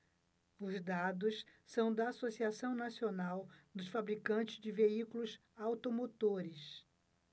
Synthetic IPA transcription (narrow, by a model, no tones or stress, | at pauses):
ʊzd̪ad̪ʊssɐ̃w̃d̪ɐːsosiasɐ̃w̃nasionawd̪ʊsfabɾikɐ̃nt͡ʃɪzd͡ʒɪveikulʊs | awt̪omot̪oɾɪs